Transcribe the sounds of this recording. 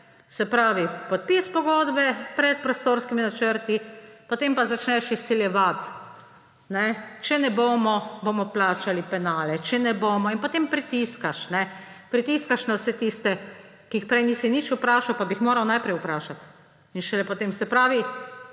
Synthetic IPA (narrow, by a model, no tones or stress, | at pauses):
sɛpɾaːʋipɔt̪̚pispɔɡoːd̪bɛpɾɛt̪̚pɾɔst̪oːɾskiminat͡ʃəɾt̪ipot̪eːmpazat͡ʃnɛʃisːiljɛʋat̪ | nɛt͡ʃɛnɛboːmɔboːmɔplaːt͡ʃalipɛnaːlɛt͡ʃɛnɛboːmɔinpot̪empɾit̪iskaʃnɛ | pɾit̪iskaʃnawsɛt̪ist̪ɛ | kiixpɾɛjniːsinit͡ʃupɾaːʃawpabixmoːɾawnajpɾɛjupɾaːʃat̪ | inʃɛlɛpɔt̪eːmsɛpɾaːʋi